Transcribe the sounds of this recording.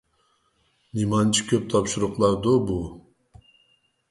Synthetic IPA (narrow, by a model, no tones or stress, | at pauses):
nimɑnt͡ʃʰi̥kʲʰøp̚t̪ʰɑpʃuɾʊqlˠɑɾd̪obu